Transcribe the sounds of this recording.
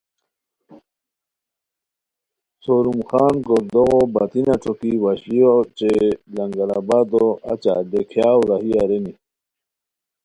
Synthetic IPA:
soɾumxaːnɡoɾd̪oɣobat̪inaʈ͡ʂʰokiwaɕlijot͡ɕelɐŋɡalabad̪oa̰t͡ɕa̰d̪ekʰjaːwɾahiaɾeni

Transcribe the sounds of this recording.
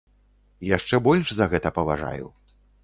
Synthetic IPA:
jaʂt͡ʂɛbɔlʲʐzɐɣɛt̪ɐpɐvaʐa̰jṵ

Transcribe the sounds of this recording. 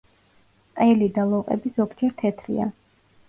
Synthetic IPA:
ɛlid̪alˠɔqʼɛ̰bizɔbd͡ʒɛɾt̪ʰɛt̪ʰɾḭa̰

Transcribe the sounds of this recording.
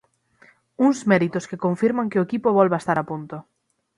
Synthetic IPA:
uŋzmɛɾit̪ʊskekõɱfiɾmaŋkeoekipoβɔlβaest̪aɾapunt̪o

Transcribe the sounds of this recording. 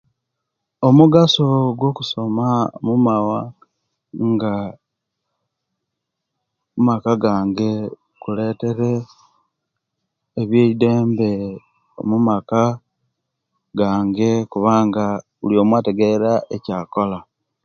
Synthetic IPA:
o̞muɡasoɡwo̞kuso̞maomumawa | ŋɡa | mumakaɡaːŋɡe̞ | kule̞ːte̞ɾe | βjeːide̞ːmbe̞ | o̞̰mumaka | ɡaːŋɡe̞kuβaːŋɡa | ṵljo̞ːmwaːte̞ɡeɾaecaːko̞la

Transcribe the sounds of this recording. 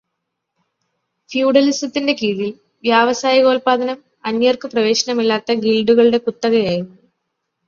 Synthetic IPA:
fjuːɖɐlisɐt̪ːinde̞kiːðil | ʋjaːʋɐsaːjɐɣoːlpaːd̪ʱɐnɐm | ɐnjɐrkɨprɐʋe̞ːɕɐnɐmilːaːt̪ːɐɡilɖuɣɐɭɨɽe̞kut̪ːɐɣɐjaːjɾunːu

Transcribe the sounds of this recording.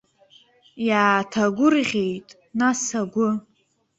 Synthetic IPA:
jaːtʰaɡʷʊrʁʲe̞jtʼ | nasaɡʷʊ

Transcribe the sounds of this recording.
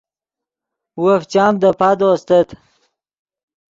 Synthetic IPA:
wəft͡ɕaːmd̪əpad̪ost̪ət̪

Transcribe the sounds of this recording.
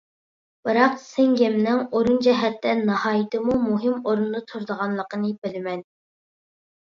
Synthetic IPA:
b̥ɨɾɑqsɛŋɡɛmnɪŋoɾund͡ʒɛɦɛt̪ːɛnɑhɑːjɪt̪ɨmumuɦɪmoɾund̪ɑt̪ʰuɾd̪əʁɑnlˠəqənɨbɪlɪmɛn

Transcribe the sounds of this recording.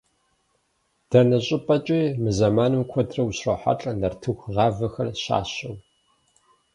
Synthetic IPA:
d̥ɐnɐɕʼɪpʼɐt͡ʃʼiːmɨzɐmaːnɨmkʷʰɔdrɐwɕrɐħa̰ɬʼɐnɐrtʰɨxʷʁɑːvɐxɐrɕa̰ːɕɐw

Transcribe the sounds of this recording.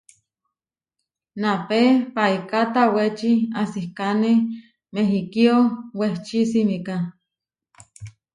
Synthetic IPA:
napepaikat̪awet͡ʃiasihkane | meɦikioweht͡ʃisimika

